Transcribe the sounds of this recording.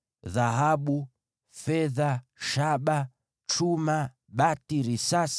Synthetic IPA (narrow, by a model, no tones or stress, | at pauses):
ðaɦaɓu | fɛðaʃaɓa | t͡ʃuma | ɓatiɾisas